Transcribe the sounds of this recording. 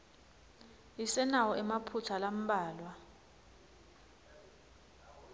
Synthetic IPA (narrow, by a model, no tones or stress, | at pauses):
isɛnawɔɛmapʰutʰalam̩ɓaːlwa